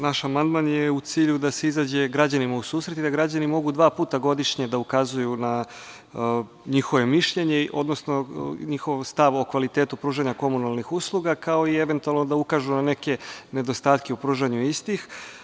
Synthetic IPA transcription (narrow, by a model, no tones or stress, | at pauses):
naʃamand̪maːnjeut̪siːʎud̪aseizaːd͡ʑe̞ɡɾad͡ʑanimausuːsɾe̞t̪id̪aɡɾad͡ʑanimo̞ɡud̪ʋaːpuːt̪aɡo̞d̪iʃɲe̞d̪aukazujuna | ɲixo̞ʋe̞miʃʎe̞ɲeʔo̞̰d̪no̞sno̞ɲixo̞ʋst̪aʋokʋalit̪eːt̪upɾuːʒaɲako̞munalˠnixuslˠuɡakao̞ie̞ʋe̞nt̪ualˠno̞d̪aukaːʒunane̞ke̞ne̞d̪o̞st̪aːt̪ke̞upɾuːʒaɲuist̪ix